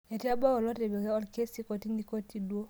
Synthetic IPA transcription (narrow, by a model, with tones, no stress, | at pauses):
e˨ti˦a˦ba˦ɔ˨lɔ˦te˨be˨ɡɛ˦ɔ˦lke˦si˦kɔ˨ti˦ndi˦ko˦ti˦dwo˦